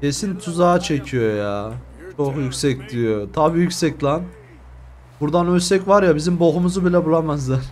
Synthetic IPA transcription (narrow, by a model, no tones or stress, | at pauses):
cesint̪ʰuzaːt͡ʃʰe̞cʰijo̞jaː | t͡ʃʰoxjycsɛcdlijot̪ʰabiːjycʲsɛc̚lʲˠan | buɾd̪anølsɛcvaɾjabizimboɦumuzubilʲɛbulˠamazlˠaɾ